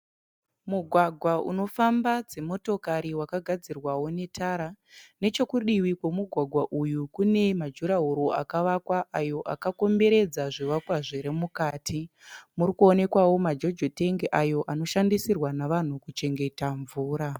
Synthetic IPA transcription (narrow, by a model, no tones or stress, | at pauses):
muɡʱwaɡʱwaʔṵno̞fambad͡ze̞mo̞to̞kaɾiwakaɡʱad͡zirwawo̞ne̞tʰaɾa | ne̞t͡ʃo̞kuɗiwikwemuɡʱwaɡʱwaʔujukune̞mad͡ʒuɾaɦuɾo̞ʔakaʋakwaʔajo̞ʔakako̞mbe̞ɾe̞d͡zaʐiʋakwaʐeɾemukaːtʰi | murikuo̞ne̞kwawo̞mad͡ʒo̞d͡ʒote̞ŋɡeʔajo̞ʔano̞ʃandisirwanaʋan̤ukut͡ʃe̞ŋɡe̞taɱvuːɾa